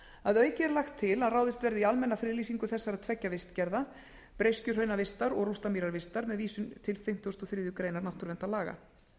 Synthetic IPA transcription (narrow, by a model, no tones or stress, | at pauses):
aðœːɥjcɪɛɾlaxt̪ʰːɪlaðraːwðɪst̪vɛɾðɪialmɛnːafɾɪðliːsiŋkʏθɛsːaɾaðt̪ʰvɛcːavɪst̪cɛɾða | pɾejscʏɾ̥hœɥnavɪst̪aɾɔɣrust̪amiɾaɾvɪst̪aɾmɛðviːsʏmt̪ʰɪlfɪm̥t̪ːɔst̪ɔθɾɪːðʏkɾeːjnaɾnaht̪ʏɾvɛnt̪alaːɣa̰